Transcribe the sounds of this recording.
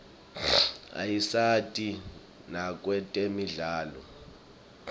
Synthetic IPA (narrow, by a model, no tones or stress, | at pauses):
a̰jisatʼi | nak̬ʼwɛtʼemiɮaːlɔ